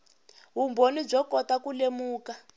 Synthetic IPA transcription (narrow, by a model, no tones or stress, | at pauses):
ɦumbonib͡ʐɔkɔtakulemuːka